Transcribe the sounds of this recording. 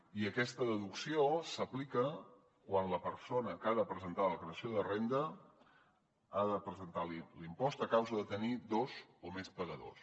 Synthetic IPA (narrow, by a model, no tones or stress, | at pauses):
iəkɛst̪əðəðuksiosəplikə | kwanləpəɾsonəkaðəpɾəzənt̪aləkɾeəsioðərend̪ə | aðəpɾəzənt̪alilimpɔst̪əkawzəðət̪ənid̪ozomespəɣəðo̰s